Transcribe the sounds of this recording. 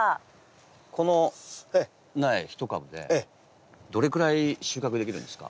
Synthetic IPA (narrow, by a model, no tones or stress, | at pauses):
a | kʰo̞no̞ | naiçi̥t̪o̞kabɯ̟d̪e̞e | d̪o̞ɾe̞kɯ̟ɾaiɕɨːkakɯd̪ekʲiɾɯ̟̃nd̪esɨ̥ka̰